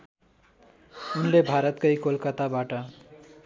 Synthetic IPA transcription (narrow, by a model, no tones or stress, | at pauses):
unlebʱaɾʌt̪kʌjkolkʌt̪abaʈʌ